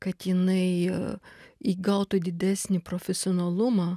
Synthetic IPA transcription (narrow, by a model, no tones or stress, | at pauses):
kɐt̪jɪnɐɪ | iːɡɐʊt̪ʊd̪ʲɪd̪ʲæsʲnʲɪpɾoːfʲɛsʲɪoːnɐlˠʊmɐː